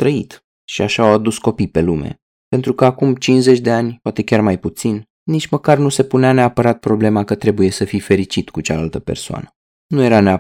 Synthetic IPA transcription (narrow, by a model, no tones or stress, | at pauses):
t̪ɾəit̪ | ʃiaʃaawad̪usko̞pijpe̞lume̞̰ | pe̞nt̪ɾukəakumt͡ʃinze̞t͡ʃʲd̪e̞anʲpoat̪e̞kʲarmajput̪sin | nit͡ʃʲməkarnuse̞puneaneapəɾat̪̚pɾo̞ble̞makət̪ɾe̞buje̞səfife̞ɾit͡ʃit̪kut͡ʃalalt̪əpe̞̰rsoa̰nə | nuje̞ɾanea